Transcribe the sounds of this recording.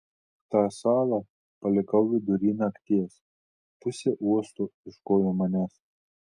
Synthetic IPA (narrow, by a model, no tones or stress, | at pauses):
t̪ɑːsɑːlˠɑ | pɐlʲɪkɐʊʋʲɪd̪ʊɾʲiːnɐkt̪ʲiɛs | pʊsʲeʔuɔst̪uɪʃkoːjoːmɐnʲæs